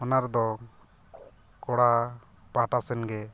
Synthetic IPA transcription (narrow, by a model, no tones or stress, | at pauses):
ɔnaɾd̪ɔ | kɔɽa | paʈasɛnɡɛ